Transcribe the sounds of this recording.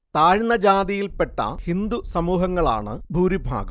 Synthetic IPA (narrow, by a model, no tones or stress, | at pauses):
t̪aːɻnɐd͡ʑaːd̪ijilpeʈːɐ̰hind̪usɐmuːɦɐŋːɐɭa̰ːɳɨ̰bʱuːɾibʱa̰ːɡɐm